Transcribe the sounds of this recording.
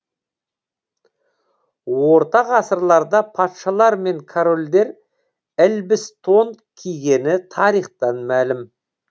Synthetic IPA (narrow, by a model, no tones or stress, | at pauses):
wo̞ɾt̪ɑʁɑsəɾlˠɑɾd̪ɑpʰɑt̪ʃɑlˠɑɾme̞ŋkʰoɾo̞ld̪e̞ɾ | ɪlbɪst̪ʰo̞n | kʲʰijɡʲe̞nɪt̪ʰɑɾijχt̪ɑnmælɪm